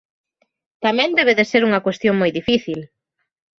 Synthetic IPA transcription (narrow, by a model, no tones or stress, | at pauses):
t̪amɛ̃nd̪ɛβ̞eðeseɾuŋɐkwest̪joŋmojðifiθil